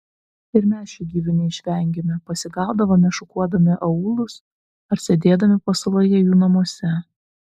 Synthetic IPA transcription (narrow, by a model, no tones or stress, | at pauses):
ɪɾmʲæːsʃʲʊːɡʲiːʋʲɪnʲɪɪʃʲʋʲɛˑŋʲɡʲemʲɪpɐsʲɪɡɑˑʊd̪ɐʋɐmʲɛʃʊkuɔd̪ɐmʲɪʔɐuːlˠʊs | ɐɾsʲed̪ʲeːd̪ɐmʲɪpɐsɐlˠojɛjuːnɐmuɔsʲɛ